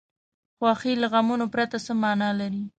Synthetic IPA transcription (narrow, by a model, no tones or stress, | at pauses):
xwɑxilaɣamunopɾat̪asəmɑnɑlaɾi